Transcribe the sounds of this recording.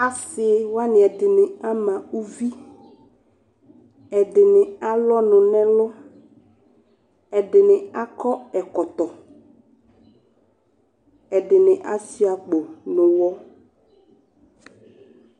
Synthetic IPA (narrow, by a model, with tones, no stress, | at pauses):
a˦sɪ˨˦wa˦nɪ̃˨ɛ˨dɪ˨nɪ̃˨a˦mã˨u˦vi˦ | ɛ˨dɪ˨nɪ̃˨a˦lɔ˦nʊ̃˨nɛ̃˦lɔ˦ | ɛ˨dɪ˨nɪ̃˨a˦kɔ˦ɛ˨kɔ˨t̪ɔ˨ | ɛ˨dɪ˨nɪ̃˨ʔa˦si˦a˨k͡po˨nʊ̃˨wɔ˦